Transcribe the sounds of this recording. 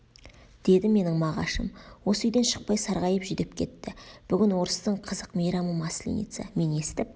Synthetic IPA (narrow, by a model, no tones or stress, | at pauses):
d̪̥e̞d̪ɪme̞nɪŋmɑʁɑ̰ʃəmwo̞səʏjd̪e̞nʃəq̚pɑjsɑɾʁɑjəpʒʏd̪ɪp̚kʲʰe̞t̪ːɪb̥ʏɡʲɪnwo̞ɾəst̪əɴqʰəzəqmejɾɑməmɑslʲḭnḭt̪sə̰me̞ne̞st̪ɪp̚